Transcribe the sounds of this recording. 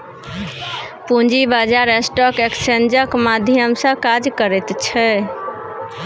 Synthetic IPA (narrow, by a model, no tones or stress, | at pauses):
pund͡ʒibad͡ʒaɾesʈɔkeksend͡ʒəkmad̪ʱjəmsə̃kad͡ʒkəɾɛt̪t͡ʃʰɛ